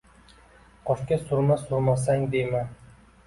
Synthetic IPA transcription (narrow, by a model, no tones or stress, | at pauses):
qʰɒʃkʲasʊɾmasʊɾmasaŋd̪ejma